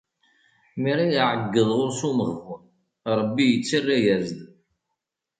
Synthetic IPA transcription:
miɾijʕəɡːəðˤʁʊɾsuməʁvən | ɾˤəbːijət͡sːərːæjæzd̪

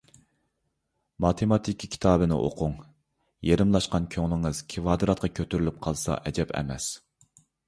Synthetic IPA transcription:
mɑt̪ʰemɑt̪ʰɪkʲʰːkʲʰi̥t̪ʰɑːbɨnɪ̰ʔo̰qʰʊŋ | jeɾɪmlˠɑʃqɑnkʲʰøŋlˠɪŋɨz̥kʲʰivɑːd̪ɨɾɑt̪̚qʰɑkʲʰøt̪ʰyɾylyp̚qʰɑlˠsɑ̰ʔɛd͡ʒɛpʰɛ̰mɛ̰s

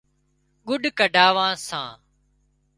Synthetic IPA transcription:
ɠʊɖkəɖʱaːʋãːsãː

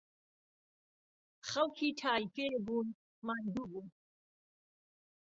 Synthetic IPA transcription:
χɐlkʰitʰaːjikʼɛbun | mand̪ubun

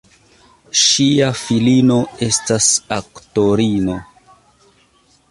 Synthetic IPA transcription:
ʃiafilino̞e̞stasakto̞ɾino̞

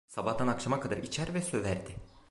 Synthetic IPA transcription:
sabahd̪anakʃamakʰad̪aɾʔit͡ʃʰæɾvɛsø̞væɾd̪ɪ

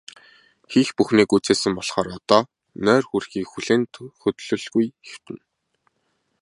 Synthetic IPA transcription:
xixpuxniːkut͡seːsɘ̆mpɔɮχɔːɾɔt̪ɔː | nœːrxurxiːkxuɮeːnt̪xɵt̪ɮɵ̆ɮɣujxew̥t̪ɘ̆n

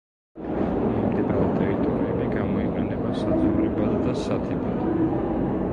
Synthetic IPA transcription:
mimd̪inaɾɛt̪ʼɛɾit̪ʼɔɾiɛbiɡamɔiqʼɛnɛbasad̪zɛuɾɛbad̪d̪asat̪ʰɛbad̪

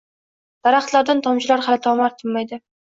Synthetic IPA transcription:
d̪̥ɑɾɑχt̪lˠaɾd̪ant̪ʰɒmt͡ʃɪlˠaɾχat̪ʰɒwmɑɾt̪ʰɪmːajd̪ɪ

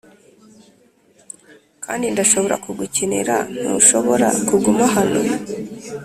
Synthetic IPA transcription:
kʰaːndindaʃo̞βo̞ɾa̰kuɡucenḛɾa̰n̥ṵːʃo̞βoɾa̰kuɡumaɦanu

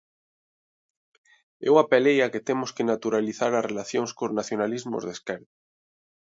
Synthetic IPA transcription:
ɛ̰wapelejaket̪emoskenat̪uɾaliθaɾarelaθjoŋskoznaθjonalizmo̰zðeskɛɾða

